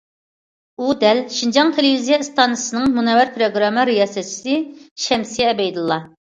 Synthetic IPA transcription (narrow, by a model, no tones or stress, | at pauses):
ud̪ɛlʃind͡ʒɑŋt̪ʰelɪvizijɛɨst̪ɑnɨsɨnɨŋmunɛwæɾpʰɾoɡɾɑmːɨɾijɑːsɛt͡ʃʰi̥sɨʃɛmsijɛɛbɛjd̪ɨlˠːɑ